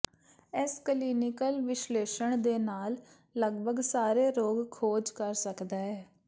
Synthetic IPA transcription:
ɪskəliːnɪkəlʋɪʃleːʃəɳd̪eːnaːlː | əɡbʱəɡsaːɾeːɾoːɡkʰoːd͡ʒkəɾsəkd̪aːɦɛː

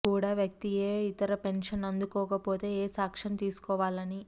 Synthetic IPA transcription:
kuːɽaːʋjɐk̚t̪ieːit̪ɐɾɐpe̞nʂɐnɐnd̪ukɔːkɐpoːt̪e̞ːeːsaːkʂɐnt̪iːsu̥kɔːʋaːlɐni

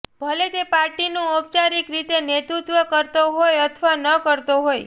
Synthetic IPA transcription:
bʱəlet̪epaɾʈinũop̚t͡ʃaɾikɾit̪enet̪ɾut̪ʋəkəɾt̪oɦojət̪ʰʋanəkəɾt̪oɦoj

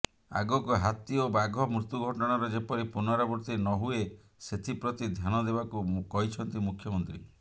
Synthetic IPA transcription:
a̰ɡɔkɔɦat̪iobaɡʱɔmɾut̪uɡʱɔʈɔɽ̃aɾɔd͡ʒepɔɾipunɔɾabɔɾt̪inɔɦue | set̪ʰipɾɔt̪id̪ʱjanɔd̪ebakukɔɦit͡ʃʰɔnt̪imukʰjɔmɔnt̪ɾi

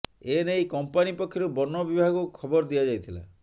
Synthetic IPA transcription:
enejkɔmpanipɔkʰːjɔɾubɔnːɔbibʱaɡukʰɔbɔɾd̪ijad͡ʒajt̪ʰila̰

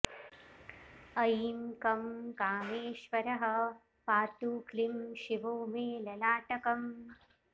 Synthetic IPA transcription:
ɐjiːmkɐmkaːmeːʃʋɐɾɐɦɐ̆ | paːt̪uːklimʃiʋoːmeːlɐlaːʈɐkɐm

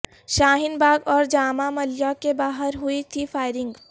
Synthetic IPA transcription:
ʃaːɦɪnbaːɡɔːɾd͡ʒaːmamɐljakebaːɦəɾɦʊit̪ʰifʰaːɪɾɪ̃ŋɡ

